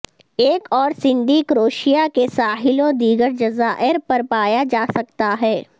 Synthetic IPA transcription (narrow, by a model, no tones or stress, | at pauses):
eːkɔːɾsɪ̃nd̪ʱiːkɾoːʃijakesaːɦɪlõd̪iːɡəɾd͡ʒɐzaːʔɪɾpɐɾpaːjad͡ʒaːsɐk̚t̪aɦɛː